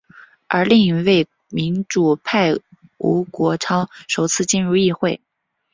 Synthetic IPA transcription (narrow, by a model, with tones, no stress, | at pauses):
ə˞˧˥li˥˩ŋi˧˩we˥˩ɪ | mi˧˥nʈ͡ʂu˨˩pʰa˥˩ɪṵ˧˥kwɔ˧˥ʈ͡ʂʰɑ˥ʊʂo˨˩ʊt͡sʰɹ̩˥˧t͡ɕi˥˧nɻu˥˧i˥˧xwe˥˩ɪ